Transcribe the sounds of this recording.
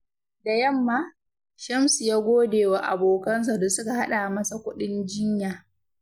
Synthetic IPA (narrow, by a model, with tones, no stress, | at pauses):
da˨jɐ˦mːaː˦ | ʃɐ˦msu˨jaː˦ɡʷoː˦deː˨wa˨ʔa̰˨boː˨kɐ˦ns̬a˨do˨sʊ˦ka˨ha˦ɗa˨mɐ˦sa˨kʷʊ˦ɗɪ˦nd͡ʒɪ˦ɲjaː˨